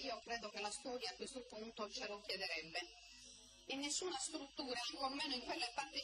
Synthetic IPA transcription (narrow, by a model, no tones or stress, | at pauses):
iːokɾɛːd̪ok̟elːast̪ɔːɾjaːkwest̪opunt̪ot͡ʃelok̟jɛd̪eɾɛbːe | enːesːuːnast̪ɾut̪ːuːɾaaŋkoamːɛːnoiŋkwelːepːart̪i